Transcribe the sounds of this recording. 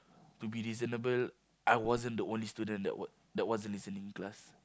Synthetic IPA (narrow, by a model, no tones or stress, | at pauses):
tubiɹizənəbəl | ʔajwɔzə̃ndəõnlistudə̃ndɛ̰ʔw | dɛt̚wɔzə̃nlisə̃nĩŋklas